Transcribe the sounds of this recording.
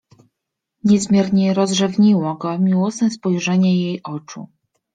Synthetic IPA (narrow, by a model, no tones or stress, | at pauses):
ɲɛzmʲjɛɾɲɛɾɔzʐɛvɲiwɔɡɔmʲiwɔsnɛspɔjʐɛɲɛjejʔɔt͡ʂṵ